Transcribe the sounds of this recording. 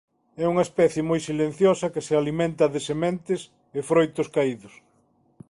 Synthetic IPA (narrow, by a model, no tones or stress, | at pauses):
ɛuŋɐespɛθjemojsilẽn̟θjɔsɐkɪsealimẽnt̪ɐðesemẽnt̪ɪs | efɾojt̪ʊskaiðʊs